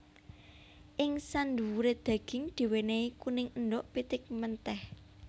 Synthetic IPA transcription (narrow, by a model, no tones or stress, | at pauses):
ʔɪŋsand̪uwuɾed̪̥ä̤ɡ̥ɪ̤ŋd̪̥i̤weneikunɪŋəndɔʔpit̪ɪk̚mənt̪ɛh